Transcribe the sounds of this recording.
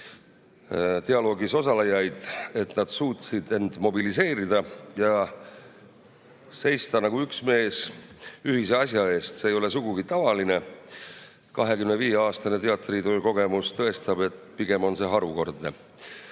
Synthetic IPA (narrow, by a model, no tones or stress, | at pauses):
t̪e̞ɑlo̞ːɡiso̞sɑlejɑjd̪̥e̞t̪nɑd̪̥suːt̪sid̪̥e̞nd̪̥mo̞bilise̞ːɾid̪ɑjɑ | se̞jst̪ɑnɑɡ̥uyksme̞ːsyɦiseɑsjɑe̞ːst̪seːjo̞le̞suɡ̥uɡit̪ɑvɑline̞ | kɑɦe̞kymneviːeɑːst̪ɑnet̪e̞ɑt̪ˑrit̪ojko̞ɡ̥e̞must̪ɤe̞st̪ɑb̥e̞t̪piɡ̥e̞mo̞nse̞ɦɑɾuko̞rd̪ne̞̰